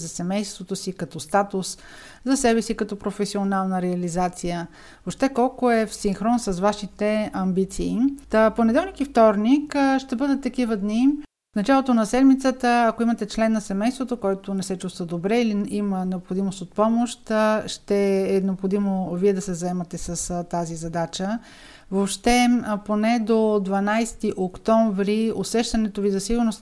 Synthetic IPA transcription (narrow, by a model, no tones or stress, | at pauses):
zɐsɛmɛjst̪vot̪osikɐt̪ɔst̪at̪ʊs | zɐsɛbɛsikɐt̪ɔpɾofɛsionalˠnəɾɛɐlizat̪sijə | vopʃt̪ɛkɔlˠkoɛfsiŋxɾɔnsɐsvaʃit̪ɛɐmbit̪siːponɛd̪ɛlˠnikift̪ɔɾnikʃt̪ɛbɤd̪ət̪ːɐk̟ivəd̪ni | fnɐt͡ʃalˠot̪onɐsɛd̪mit̪sət̪əːkoimɐt̪ɛt͡ʃlɛnːɐsɛmɛjst̪vot̪okɔjt̪onɛsɛt͡ʃust̪vəd̪obɾɛiliimənɛopxod̪imost̪ot̪̚pɔmoʃt̪ʃt̪ɛːnɛopxod̪imoviɛd̪ɐsɛzɐɛmɐt̪ɛsɐst̪azizɐd̪at͡ʃə | vopʃt̪ɛponɛd̪od̪vɐnajst̪iʔokt̪ɔɱvɾiosɛʃt̪ɐnɛt̪ovizɐsiɡʊɾnos